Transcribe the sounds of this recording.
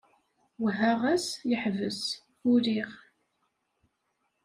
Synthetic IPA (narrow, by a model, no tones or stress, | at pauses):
wɦæʁæsjəħvəs | ʊɾiʁ